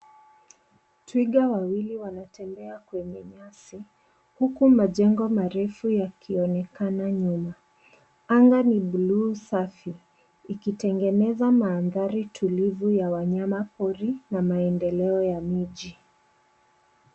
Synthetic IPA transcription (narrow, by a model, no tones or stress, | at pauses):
twiɠawawiliwanatɛmbɛakwɛɲɛɲasi | hukumaʄɛŋɡɔmaɾɛfujakʰiɔnɛkanaɲuma | aŋɡanibuluːsafiː | kitɛŋɡɛnɛzamaːnðaɾitʰulivujawaɲamapɔɾinamaɛndɛlɛɔjamiʄi